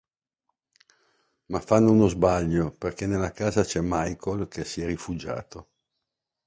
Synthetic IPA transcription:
mafːanːounozbaʎːoperkenelːakaːzat͡ʃɛmajkʰolkʰesiɛrːifud͡ʒa̰ːt̪o

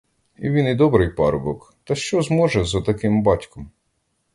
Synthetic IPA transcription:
ḭʋʲinid̪ɔbɾɪjpɑ̰ɾbɔk | t̪ɐʃt͡ʃɔzmɔʒɛzɐt̪ɐkɪmbɑtʲkɔm

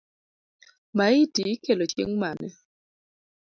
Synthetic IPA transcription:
maɪtikelot͡ʃḛŋmanɛ

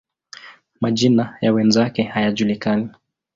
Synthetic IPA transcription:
maʄinajawɛnzakɛhajaʄulikani

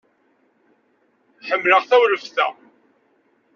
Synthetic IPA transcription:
ħəmːləʁθæwləfθæ̰

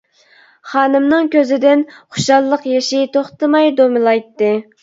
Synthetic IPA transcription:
χɑːnɨmnɨŋkʲøzɪd̪ɪnχʊ̥ʃɑlˠːəqjeʃɪt̪ʰoχt̪ɨmɑjd̪omɨlˠɑjt̪ːɨ

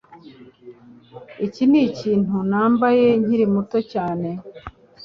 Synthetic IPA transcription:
iciniciːn̥hunaːmbaje̞ɲiɾimuto̞caːne̞

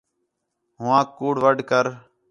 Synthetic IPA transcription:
ɦʊʋãːkuːɽʋəɖkəɾ

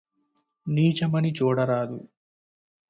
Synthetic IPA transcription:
niːt͡ʃɐmɐnit͡ʃuːɽɐɾaːd̪u

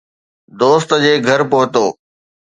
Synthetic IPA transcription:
d̪oːst̪d͡ʑeːɡʱɐɾpʊɦʊt̪oː

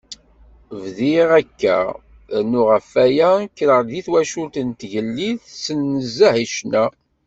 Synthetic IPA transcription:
vðiʁækːæ̰ | nʊʁəfːæjækːɾəʁðiθwæʃult̪ənt̪ʝəlːiðsənːəzːæhiʃnæ

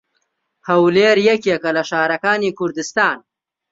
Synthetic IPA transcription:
hɐwleːɾjɛkekɐlɐʃaːɾɐkaːniːkʰʊɾd̪ɨst̪aːn

